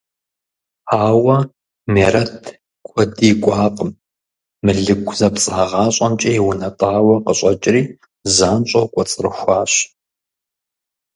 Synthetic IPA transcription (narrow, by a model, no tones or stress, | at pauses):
aːwɐ | meːɾɐtʰ | kʷʰʼɔdiːkʷʼɑːqʼəm | mɨɮɨɡʷʰzɐpt͡sʼaːʁɑːɕʼɐmt͡ʃʼɐjwʊnɐtʼaːwɐqəɕʼɐt͡ʃʼɪriː | zaːnɕʼɐwkʷʼɔt͡sʼɨrɨxʷaːɕ